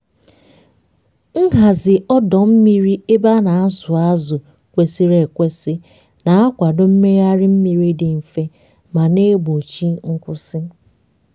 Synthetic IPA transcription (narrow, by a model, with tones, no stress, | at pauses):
ŋ̩˦ɦa˨zɪ˨ʔɔ˦dɔ˨m̩˦mi˦ɾi˦e˦ba˦na˨˦sʊ˨a˦zʊ˨ | kʷe˨si˦ɾe˨kʷe˦sɪ˦ | na˨a˦kʷa˨do˦m̩˦me˦ja˦ɾɪ˦m̩˦mi˨ɾi˦dɪ˨m̩˨fe˦ | ma˨ne˦bo˨t͡ʃi˦ŋ̩˦kʷʊ˦sɪ˦